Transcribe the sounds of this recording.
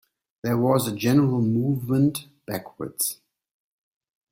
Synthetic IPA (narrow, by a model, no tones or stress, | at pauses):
ðɛwɔzəd͡ʒɛnəɹəl̩ˠmuːvmə̃nt | b̥ækʰwə̰dz̥